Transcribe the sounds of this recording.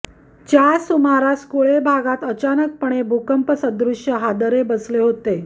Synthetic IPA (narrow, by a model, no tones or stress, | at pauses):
t͡ɕjasumaɾaskoɭebʱaɡat̪ət͡ɕanək̚pəɳ̃ebʱukəmpəsəd̪ɾuʂjəɦad̪əɾebəsleɦot̪e